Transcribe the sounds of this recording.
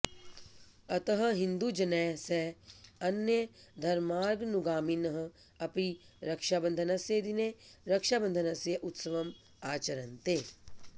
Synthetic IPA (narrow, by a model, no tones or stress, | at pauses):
ɐt̪ɐɦɐ̆ɦɪ̃nd̪ud͡ʒɐnɛːseɐnjed̪ʱɐɾmaːɾɡnuɡaːminɐɦɐ̆ | ɐpi | ɾɐkʃaːbɐ̃nd̪ʱɐnɐseːd̪ineɾɐkʃaːbɐ̃nd̪ʱɐnɐsjeʔut̪sɐʋɐm | aːt͡ʃɐɾɐnt̪eː